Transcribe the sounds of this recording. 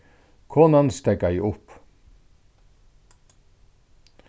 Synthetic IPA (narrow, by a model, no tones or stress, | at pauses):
kʰoːnɑnst̪ɛɡɑiʔʊp